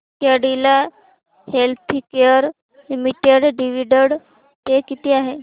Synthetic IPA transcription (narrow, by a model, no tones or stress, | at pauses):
t̪jaɖila | helt̪ʰikeəɾ | limiʈeɖɖiʋiɖəɽ | t̪ekit̪iaɦe